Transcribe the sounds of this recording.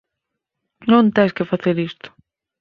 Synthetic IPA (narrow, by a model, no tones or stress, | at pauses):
nõnt̪ejskɪfaθeɾist̪ʊ̥